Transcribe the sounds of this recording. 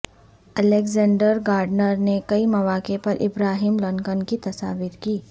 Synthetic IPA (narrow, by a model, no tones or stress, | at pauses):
ɐleːɡzãːɳɖəɾɡaːɾɖnəɾnekɐimɐʋaːkepɐɾʔɪbɾaːɦiːmlɐŋkənkit̪ɐsaːʋiɾkiː